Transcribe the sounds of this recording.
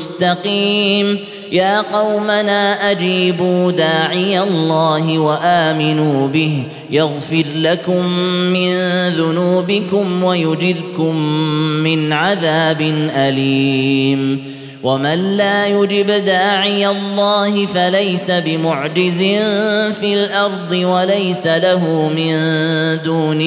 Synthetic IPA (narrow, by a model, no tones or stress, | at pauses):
st̪ɑqiːm | jaːqɑwmanaːʔad͡ʒiːbuːd̪aːʕɪjalˤːɑːɦɪwaʔaːmɪnuːbɪh | jaɣfɪɾlakʊmːɪnðʊnuːbɪkʊmwajʊd͡ʒɪdkʊmːɪnʕaðaːbɪnʔaliːm | wamanlaːjʊd͡ʒɪbd̪aːʕɪjalˤːɑːhɪfalajsabɪmʊʕd͡ʒɪzɪnfiːlʔɑɾˤd̪ˤɨwalajsalaɦʊmɪnd̪uːnɪ